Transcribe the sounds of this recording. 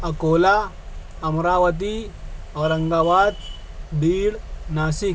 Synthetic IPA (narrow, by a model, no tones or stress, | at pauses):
ɐkoːla | ɐmɾaːʋɐt̪̬iɐʋɐɾɐŋɡaːʋaːt̪̚ | biːɽnaːsik